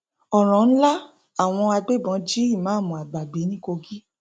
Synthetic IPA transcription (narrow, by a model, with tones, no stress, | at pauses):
ɔ˨ɾ̃ɔ̃˨n̩˦la˦ | a˦˨w̃ɔ̃˧a˧ɡ͡be˦˨bɔ̃˨˧˦d͡ʒi˦i˦˨mãː˨˦˨mɔ̃˨a˨ɡ͡ba˨ɡ͡be˨˦nĩ˦ko˧ɡi˦